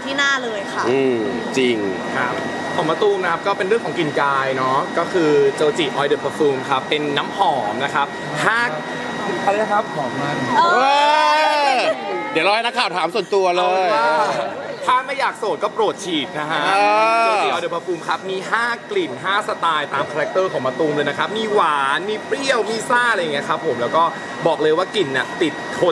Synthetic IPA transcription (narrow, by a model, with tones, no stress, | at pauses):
t̪ʰiː˥˩naː˥˩lɤː˧jkʰa˥˩ʔɯː˧ | t͡ɕi˧ŋkʰa˦˩ | t̪ʰɔː˨˩˦ma˧t̪uː˧mna˦˥kʰa˦˥p̚kɔː˥˩pe˧nɾɯ˥˩ŋkʰɔː˨˩˦ŋki˧˩nkaː˧jnɔ˦˥kɔː˥˩kʰɯː˧t͡ɕoː˧wt͡ɕi˨˩ʔɔː˧jdɯ˨˩pʰa˧fuː˧mkʰa˦˥pːe˧nːaː˦˥mhɔː˩˦mna˦˥kʰa˦˥p̚ | haː˥˩k̚ʰ | a˧˩˧ka˦˥p̚kʰɔː˨˩˦k̚ma˥˩nː˧ | di˨˦ɾɔː˧˥jna˦˥kʰaː˨˩wt̪ʰaː˩˦msu˨˩ənt̪u˧ɐlɤː˧jt̪ʰaː˥˩ma˥˩jaː˨˩k̚soː˨˩t̪̚kɔː˥˩pɾo˨˩t̪̚t͡ɕʰiː˨˩t̪̚na˦˥kʰa˦˥ʔːdiː˨˩pʰa˧fuː˧mkʰa˦˥p̚miː˧ɦaː˥˩kli˨˩nɦaː˥˩sa˧t̪aː˧jt̪aː˧mkʰaː˧ɾa˦˥k̚t̪ɤː˥˩kʰɔː˩˦ŋma˧t̪uː˧ŋlɤː˧jna˦˥kʰa˦˥p̚miː˧waː˩˦nmiː˧pɾi˥˩əwmiː˧saː˥˩la˧ja˨˩ŋi˦˥əkʰa˦˥pʰːo˩˦mlɛː˦˥wkɔː˥˩ | bɔː˨˩k̚lɤː˧jwaː˥˩ki˨˩nːi˨˩t̪i˨˩t̪̚kʰo˧˩